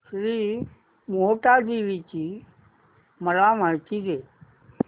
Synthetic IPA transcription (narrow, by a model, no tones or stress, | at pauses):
sɾi | moːʈaːd̪iːʋit͡ʃi | məlamat͡ʃiɡe